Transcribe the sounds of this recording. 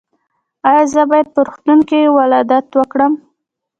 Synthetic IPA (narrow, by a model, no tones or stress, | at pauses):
ɑjɑzəbɑjad̪̚pəɾuxt̪unkiwalɑd̪at̪wəkɽəm